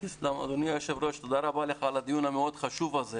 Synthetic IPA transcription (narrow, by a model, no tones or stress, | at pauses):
islama̰d̪onijajoʃevɾo̞ʃt̪od̪aɾabaleχalad̪ijunameo̞d̪χaʃuvaze